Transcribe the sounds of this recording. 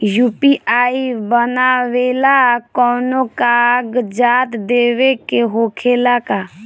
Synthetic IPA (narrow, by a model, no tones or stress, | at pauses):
juːpiʔʔaːibənaʋeːlakɔːnokaɡd͡ʒaːt̪d̪eːwekeɦoːkʰeːlaka